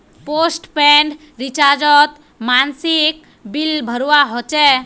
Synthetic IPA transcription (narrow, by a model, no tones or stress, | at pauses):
posʈpeɳɖ | ɾit͡ʃaɾd͡ʒɔt̪ | mansik | bilbʱəɾuwaɦot͡ʃɛ